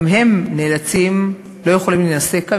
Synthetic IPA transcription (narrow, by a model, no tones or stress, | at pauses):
mɦe̞mneːlat͡sim | lo̞je̞χo̞limlinase̞ka